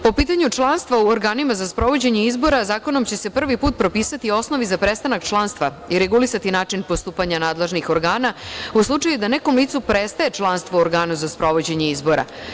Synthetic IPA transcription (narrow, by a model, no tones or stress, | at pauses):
po̞piːt̪aɲut͡ʂlˠanst̪ʋauoɾɡaːnimazaspɾo̞ʋo̞d͡ʑe̞ɲeizbo̞ɾazaːko̞no̞mt͡ɕe̞se̞pr̩ʋipuːt̪̚pɾo̞piːsat̪io̞sno̞ʋizapɾest̪anakt͡ʃlˠanst̪ʋa | iɾe̞ɡulisat̪inaːt͡ʂinpost̪uːpaɲanaːd̪leʒnixo̞ɾɡaːnauslˠut͡ʂajud̪ane̞ko̞mliːt̪supɾest̪aje̞t͡ʂlˠanst̪ʋooɾɡaːnuzaspɾo̞ʋo̞d͡ʑe̞ɲe̞izbo̞ɾa̰